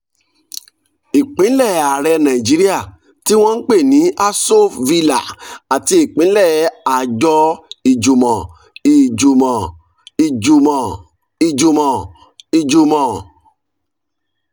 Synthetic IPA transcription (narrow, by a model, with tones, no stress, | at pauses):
i˨k͡pĩ˨˦lɛ˦˨a˨ɾɛ˧nã˨i˨d͡ʒi˨˦ɾi˦a˦˨ | ti˦w̃ɔ̃˦n̩˦k͡pe˦˨nĩ˨˦a˦so˦vi˧la̰˨a˨ti˧i˦˨k͡pĩ˨˦lɛ˦˨a˨d͡ʒɔ˧i˨d͡ʒu˨mɔ̃˨ | i˨d͡ʒu˨mɔ̃˨ | i˨d͡ʒu˨mɔ̃˨ | i˨d͡ʒu˨mɔ̃˨ | i˨d͡ʒu˧mɔ̃˨